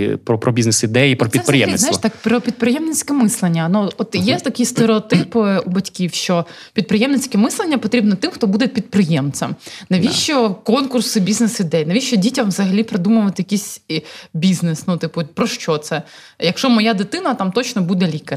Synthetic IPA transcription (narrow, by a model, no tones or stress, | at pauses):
pɾɔpɾɔbʲiznesid̪ɛjipɾɔpʲiɛpɾɪjɛ̰m̰snj̪t̪akpɾɔpʲid̪̚pɾɪjɛmnɪt͡sʲkɛmɪslˠenʲːɐnuɔt̪jɛt̪ɐkɪjst̪eɾeɔt̪ɪpubɐtʲkʲiwʃt͡ʃɔ | pʲid̪̚pɾɨjɛmnɪt͡sʲkɛmɪslˠenʲːɐpɔt̪ɾʲibnɔt̪ɪmxt̪ɔbud̪ɛpʲid̪̚pɾɪjɛmt͡sʲɐ̰mnɐʋʲiʃt͡ʃɔkɔnkʊrsɪbʲiznesid̪ɛjnɐʋʲiʃt͡ʃɔdʲitʲɐmʋzɐɦɐlʲipɾɪd̪umʊʋɐt̪ɪjɐkʲisʲbʲiznɪsnut̪ɪpʊpɾɔʃt͡ʃɔt̪sɛ | jɐkʃɔmɔjad̪ɪt̪ɪnɐt̪ɑmt̪ɔt͡ʃnɔbud̪ɛlʲikɐ